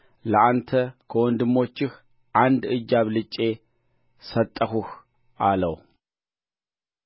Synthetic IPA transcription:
ləʔant̪ʰəkʰəwɔnd̪ɨmːo̞t͡ʃːɪx | ʔand̪ɨd͡ʒːaβlɨt͡ʃʼːe̞ | sət̪ʼːəxuh | ʔaləw

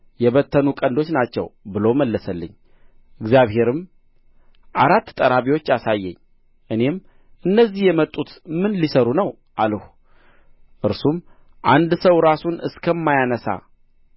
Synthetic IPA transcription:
jɛβət̪ʰːənukʼənd̪o̞t͡ʃːnat͡ʃːɛ̰wbɨloməlːəsəlːɨ̰ɲː | ʔɨɡzijaβɦe̞ɾɨm | ʔaɾat̪ːt̪ʼəɾaβiwo̞t͡ʃːasajːɛ̰ɲː | ʔɨne̞m | ʔɨnːəzːihjɛmət̪ʼːut̪mɨnlisəɾunəw | ʔalhu | ʔɨɾsum | ʔand̪səwɾasunɨskʰəmːajanəsa̰

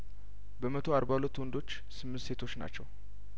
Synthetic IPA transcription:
bəmət̪ʰo̞aɾbawlət̪ːwɔnd̪o̞t͡ʃː | sɨmːɨnt̪se̞t̪ʰo̞t͡ʃːna̰t͡ʃːɛw

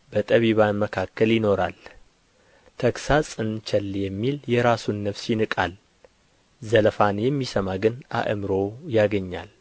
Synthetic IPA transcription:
bət̪ʼəβiβanməkʰakːəljɪno̞ɾa̰l | t̪ʰəksasʼɨnt͡ʃʰɛlːjɛmːiljɛɾasunːəβsjɪnɨkʼal | zəlfanjɛmːisəmaɡɨnʔa̰ʔɨmɾo̞jaɡəɲːa̰l

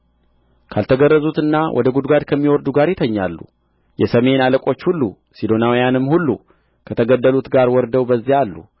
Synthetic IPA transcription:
kʰalt̪ʰəɡərːəzut̪ɨnːawʔɔ̰d̪əɡud̪ɡad̪kʰəmːiwɔɾd̪uɡaɾjɪt̪ʰəɲːa̰lːṵ | jɛsəme̞naləkʼo̞t͡ʃːhulːu | sid̪o̞nawijanɨmːhulːṵ | kʰət̪ʰəɡəd̪ːəlut̪ɡaɾwɔɾd̪əwbəzːijalːṵ

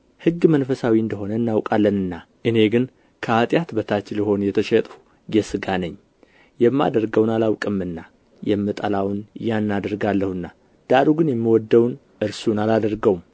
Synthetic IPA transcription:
hɨɡːmənfəsawiɨnd̪əɦo̞nəɨnːawkʼalːənɨnːa | ʔɨne̞ɡɨn | kʰəat̪ʼjat̪bət̪ʰat͡ʃɪliho̞njɛt̪ʰəʃɛt̪ʼu | ɡɛsɨɡanəɲː | jɛmːa̰d̪əɾɡəwnalawkʼɨmːɨnːa | jɛmːɨt̪ʼəlawnjanːad̪əɾɡalːəhɨnːa | d̪̥aɾuɡɨnjɛmːiwɔd̪ːəwn | ʔɨɾsunalad̪əɾɡəwm

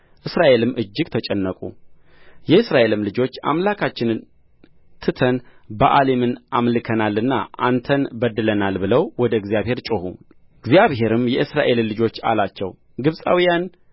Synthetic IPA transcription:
ʔɨsɾaʔe̞lɨmːʔɨd͡ʒːɪɡ̥̚t̪ʰət͡ʃʼɛnːəkʼṵ | jɛɨsɾaʔe̞lɨmlɨd͡ʒo̞t͡ʃːa̰mlakʰat͡ʃːɪn | t̪ʰɨt̪ʰənbəʔale̞mɨnʔamlɨkʰənalːɨnːa̰ʔa̰nt̪ʰənbəd̪ɨlənalbɨləwwɔd̪əɡzijaβhe̞ɾt͡ʃʼɨhṵ | ɨɡzijaβhe̞ɾɨmjɛʔɨsɾaʔe̞lːɨd͡ʒo̞t͡ʃːa̰lat͡ʃːɛw | ɡɨβsʼa̰wijan

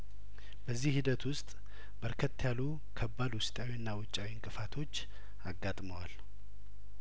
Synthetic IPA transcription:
bəzːihid̪ət̪wʊst̪ʼ | bəɾkʰət̪ːjalu | kʰəbːalwʊst̪ʼawiɨnːawʊt͡ʃʼːawiŋkʼɨfat̪ʰo̞t͡ʃː | aɡːat̪ʼməwal

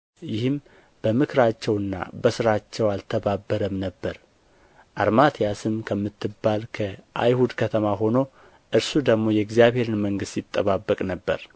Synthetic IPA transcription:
jɪhɨm | b̥əmɨkʰɾat͡ʃːɛwɨnːa̰bəsɨɾat͡ʃːɛwalt̪ʰəbabːəɾəmnəbːəɾ | ʔaɾmat̪ʰijasɨmkʰəmːɨt̪ːɨbːalkʰəʔa̰jhud̪kʰət̪ʰəmaɦo̞no̞ | ʔɨɾsud̪əɡmo̞jɛɡzijaβhe̞ɾɨnməŋɡɨst̪jit̪ʼːəβabːəkʼnəbːə̰ɾ

